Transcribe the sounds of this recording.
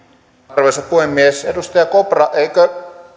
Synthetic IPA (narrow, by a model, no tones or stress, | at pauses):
rʋesɑppuhemːiesedust̪ɑjɑkoprɑʔeikø